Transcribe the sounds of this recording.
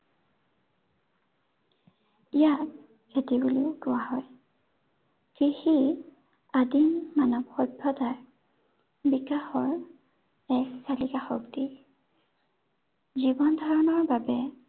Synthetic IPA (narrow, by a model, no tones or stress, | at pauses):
ijat | etibuliʊɡʊwaɦɔj | kihi | adimmanɔbxɔbʱɔtaɹ | bikaxɔɹ | ɛssalikaxɔ̰kti | zibɔndʱɔɹɔnɔɹbabɛ